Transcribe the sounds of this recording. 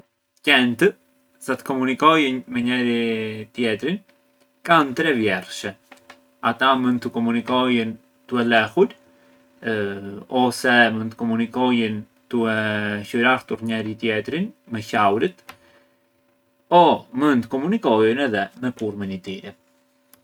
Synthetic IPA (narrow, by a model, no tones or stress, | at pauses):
cɛnt̪ə | sat̪ə̥kɔmunikɔjənmɛɲɛɾit̪jɛt̪ɾin | kant̪ɾɛvjɛɾʃɛ | at̪amunt̪ːəkɔmunikɔjən | t̪uɛlɛxuɾ | ɔsɛmənt̪əkɔmunikɔjən | t̪uɛʃuɾaɾt̪uɾɲɛɾit̪jɛt̪ɾinmɛçawɾit̪ | ɔmənt̪əkɔmunikɔjənɛðɛmɛkuɾmənit̪iɾɛ